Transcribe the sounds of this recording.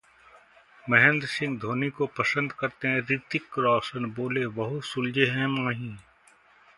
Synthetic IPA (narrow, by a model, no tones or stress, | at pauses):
mɛɦɛ̃nd̪ɾsɪ̃ŋɡd̪ʱoːnikopɐsə̃nd̪kɐɾt̪eɦɛ̃ɾit̪ɪkɾɔːsənboːlebɐɦʊt̪sʊld͡ʒeɦɛ̃mãːɦĩː